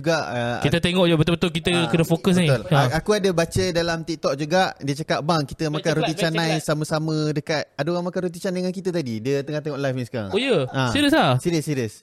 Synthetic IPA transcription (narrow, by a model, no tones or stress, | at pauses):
uɡaʔkit̪ət̪eŋɔʔabət̪ʊlbət̪ʊlk̬it̪əkənəfokəs̬nit̪ʊlaakuadəbat͡ʃədalamt̪ik̚t̪ɔʔ̚d͡ʒuɡaʔdiət͡ʃakaʔ̚baŋkit̪əmakanɾut̪it͡ʃanajsamə̃samə̃dəkat̪̚adəoɣaŋmakanrut̪̬it͡ʃanaŋank̬it̪ət̪adidiət̪əŋaht̪eŋɔʔlajfiska̰ŋojəãsiɾəslasiɾiəsːiɾiəs